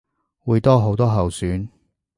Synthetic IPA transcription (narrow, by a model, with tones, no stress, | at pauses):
wuː˨˧jt̪ɔː˥ɦo˨˥wt̪ɔː˥ɦɐ˨wsyː˨˥n